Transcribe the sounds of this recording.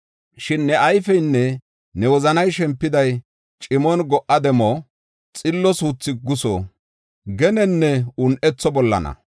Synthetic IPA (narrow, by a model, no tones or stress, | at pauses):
ʃɪnːɛɐjfɛjnːɛ | nɛwɔzɐnɐjʃɛmpːɪd̪ɐj | t͡ʃʼɪmɔnɡɔʔːɐd̪ɛmɔ | t͡sʼɪlːɔsuːt͡sːɪɡʊsɔ̰ | ɡɛnɛnːɛʊnʔɛt͡sːɔbɔlːɐ̰nɐ̰